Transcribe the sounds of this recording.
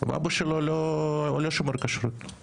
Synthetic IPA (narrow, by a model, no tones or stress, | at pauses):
va̰boʃelololoʃomeɾkaʃɾut̪